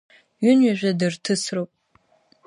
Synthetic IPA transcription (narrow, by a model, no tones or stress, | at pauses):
ɥʊnɥɪʒʷɐdɨrtʰɨsrowpʼ